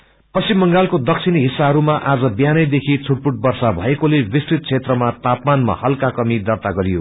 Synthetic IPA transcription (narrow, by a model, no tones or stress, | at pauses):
pʌsimːʌŋɡalkod̪ʌk̚t͡sʰinɦisːaɦʌɾumaʔad͡zʌbjanʌjd̪ekʰit͡sʰuʈ̚puʈ̚bʌrsabʱʌekolebisrit̪̚t͡sʰet̪rʌmat̪apmanma̰hʌlkakʌmid̪ʌrt̪aɡʌɾijo̰